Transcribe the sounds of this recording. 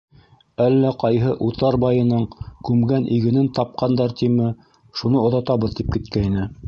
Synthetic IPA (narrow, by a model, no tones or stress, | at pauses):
ælːæqɑjɦɤʔut̪ɑɾbɑjɤ̆nɤɴkʉmɡænʔiɡɘ̆nɘnt̪ɑp̚qɑnd̪ɑɾt̪imɘ | ʃunɤŏðɑt̪ɑβɤ̆ðt̪ip̚kɘ̆t̪̚kæinɘ